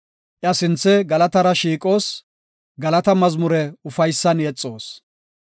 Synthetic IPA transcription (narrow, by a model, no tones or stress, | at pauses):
ʔɪɐsɪnt͡sːɛɡɐlɐt̪ɐɾɐʃiːkʼo̞ːs | ɡɐlɐt̪ɐmɐzmʊɾɛʊfɐjsːɐnjɛt͡sʼːo̞ːs